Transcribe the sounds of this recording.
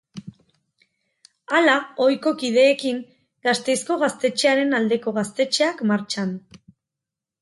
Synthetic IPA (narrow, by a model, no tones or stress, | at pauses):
alao̞jko̞kið̞e̞ːkiŋ | ɡast̪e̞jsko̞ɣast̪e̞t͡ʃeaɾe̞nald̪e̞ko̞ɣast̪e̞t͡ʃeakmaɾt͡ʃan